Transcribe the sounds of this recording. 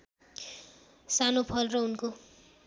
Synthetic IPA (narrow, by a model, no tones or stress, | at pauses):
sanopʰʌlrʌunko